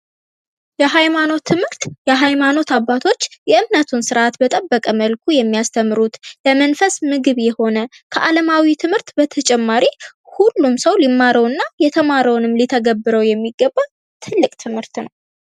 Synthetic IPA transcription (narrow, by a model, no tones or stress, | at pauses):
jɛɦajmano̞t̪ʰːɨmhɨɾt̪jɛɦajmano̞t̪abːat̪ʰo̞t͡ʃːjɛʔɨmnət̪ʰunsɨɾʔat̪bət̪ʼəbːəkʼəməlkʰujɛmːijast̪ʰəmːɨɾut̪ləmənfəsmɨɡɨβjɛho̞nəkʰəʔaləmawit̪ʰɨmhɨɾt̪bət̪ʰət͡ʃʼɛmːaɾihulːumsəwlimːaɾəwɨnːajɛt̪ʰəmaɾəwnɨmlit̪ʰəɡəbːɨɾəwjɛmːiɡːəbːa | t̪ʰɨlːɨkʼt̪ʰɨmhɨɾt̪nəw